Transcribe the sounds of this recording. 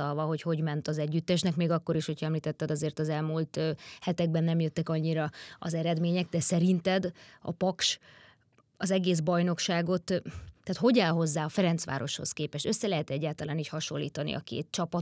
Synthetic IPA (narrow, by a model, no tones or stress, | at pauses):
ɒlvɒɦo̞cho̞ɟmɛnt̪ɒzɛɟːyt̪ːɛʃnɛkmeːɡɒkːo̞ɾiʃhocʰhɒɛmliːt̪ɛt̪ːɛd̪ɒzeːrt̪ɒzɛlmuːlt̪hɛt̪ɛɡ̚bɛnːɛmjøt̪ːɛkɒɲːiɾɒɒ̰zɛɾɛd̪meːɲɛɡ̚d̪ɛsɛɾint̪ɛd̪ɒ̰pɒkʃ | ɒzɛɡeːzbɒjno̞kʃaːɡo̞t̪t̪ɛːt̪ɦo̞ɟaːlɦo̞zːaːɒfɛɾɛnt̪sʋa̰ːɾo̞ʃho̞̰skeːpɛʃø̞sːɛlɛɦɛt̪ɛɟːaːlt̪ɒlaːniːchɒʃo̞lːḭːt̪ɒnḭɒ̰kḛːt̪̚t͡ʃɒpɒ